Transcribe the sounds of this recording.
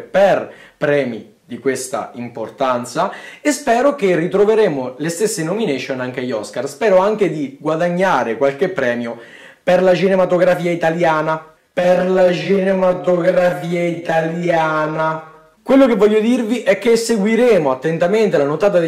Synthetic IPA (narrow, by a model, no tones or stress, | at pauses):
perpɾɛːmḭ | d̪ikwest̪a̰import̪ant̪saespɛːɾokerːit̪ɾoveɾeːmolest̪esːenomineʃonaŋk̟ajɔskarspɛːɾoaŋk̟ed̪iɡwad̪aɲːaːɾekwalkepːɾɛːmjo | perlat͡ʃinemat̪oɡɾafiːait̪aljaːna | perlat͡ʃinemat̪oɡɾafiːait̪aljaːna | kwelːokevːɔʎːod̪irviʔɛkːesːeɡwiɾeːmoat̪ːent̪ament̪elanot̪aːt̪̬ad̪